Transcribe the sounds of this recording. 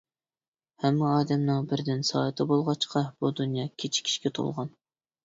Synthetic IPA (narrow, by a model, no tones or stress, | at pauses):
hɛmːɪɑːd̪ɛmnɨŋbɪɾd̪ɪnsɑ̰ːt̪ʰɨbolˠʁɑt͡ʃqʰɑb̥ud̪unjɑːkʲʰet͡ʃʰi̥kʲʰi̥ʃkʲɛt̪ʰo̰lˠʁɑn